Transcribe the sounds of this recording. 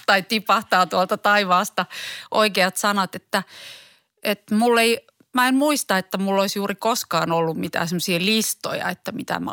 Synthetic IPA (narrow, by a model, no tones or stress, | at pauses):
t̪ɑit̪ipɑht̪ɑːt̪uɑlt̪ɑt̪ɑiʋɑːst̪ɑʔoikeɑt̪sɑnɑt̪et̪ːæ | ʔet̪mulːei | mæemmuist̪ɑet̪ːæmulːoisjuːrikoskɑːnolːummit̪æ̰ːsemːsielist̪o̰jɑ̰et̪ːæmit̪æ̰m̰